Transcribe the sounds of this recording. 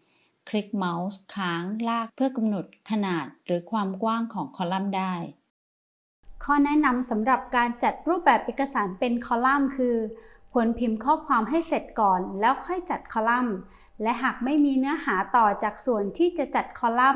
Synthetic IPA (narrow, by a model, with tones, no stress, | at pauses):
kʰɾi˦˥k̚ma˦˥wskʰaː˦˥ŋlaː˥˩k̚pʰɯ˥˩ɐka˧mno˨˩t̪̚kʰa˧naː˨˩t̪̚ɾɯː˩˦kʰwaː˧mkwaː˥˩ŋkʰɔː˩˦ŋkʰɔː˧˥la˥˩mdaː˥˩j | kʰɔː˥˩nɛ˦˥na˧msa˩˦mɾa˨˩p̚kaː˧nt͡ɕa˨˩t̪̚ɾuː˥˩p̚bɛː˨˩p̚ʔeː˨˩kːa˧saː˩˦npe˧nkʰɔː˧la˥˩mkʰɯː˧pʰu˨˩˦ənpʰi˨˩˦mkʰɔː˥˩kʰwaː˧mɦa˥˩jse˨˩t̪̚kɔː˨˩nlɛː˦˥wkʰɔ˥˩jt͡ɕa˨˩t̪̚kʰɔː˧la˥˩m | lɛ˦˥ʔɦaː˨˩k̚ma˥˩jmiː˧nɯ˦˥ɐhaː˩˦t̪ɔː˨˩t͡ɕaː˨˩k̚su˨˩ənt̪ʰiː˥˩t͡ɕa˨˩ʔt͡ɕa˨˩t̪̚kʰɔː˧la˥˩m